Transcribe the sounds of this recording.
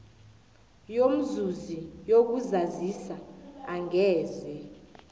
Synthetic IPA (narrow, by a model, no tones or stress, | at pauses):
jom̩zuzijok̬uzazisaaŋɛːzɛ